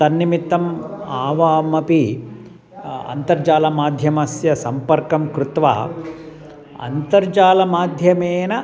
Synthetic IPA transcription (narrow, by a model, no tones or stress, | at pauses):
t̪ɐnːimit̪ːɐmaːʋaːmɐpi | ɐ̰nt̪ɐɾd͡ʒaːlɐmaːd̪ʱjɐmɐsjɐsɐmpɐɾkɐmkɾut̪ʋa̰ː | ɐ̰nt̪ɐɾd͡ʒaːlɐmaːd̪ʱjɐmeːnɐ